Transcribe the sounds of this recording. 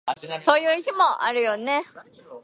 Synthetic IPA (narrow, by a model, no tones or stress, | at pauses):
so̞ːjɯ̟ːçimo̞ʔaɾɯ̟jo̞ne̞